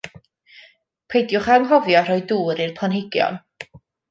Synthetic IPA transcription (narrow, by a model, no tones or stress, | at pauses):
pʰejdjʊχamɦɔvjɔr̥ɔjduːɾirpʰlˠanɦɪɡjɔ̰n